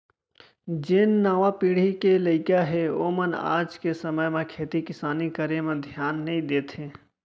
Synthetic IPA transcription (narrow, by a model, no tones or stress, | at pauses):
d͡ʒenːaːʋapiːɽ̤ikeləɪkaɦeoːməna̰ːd͡ʒkesəməjmẽkʰeːt̪ikɪsaːnikəɾemẽd̪ʱjaːnːəĩd̪eːt̪ʰɦẽː